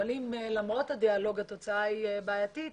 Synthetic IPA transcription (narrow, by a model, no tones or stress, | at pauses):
alimelamʁo̞t̪hadialo̞ɡhat̪o̞t͡saajibaːjat̪i